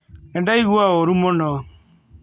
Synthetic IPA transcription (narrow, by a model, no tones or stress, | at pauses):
ɛndaiɣuaoɾumɔnɔ